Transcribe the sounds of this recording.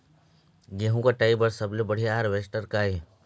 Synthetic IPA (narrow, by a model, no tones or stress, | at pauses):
ɡeːɦũkaʈaːɪbəɾsɐblebɐɽ̤ijaɾʋesʈəɾkaːe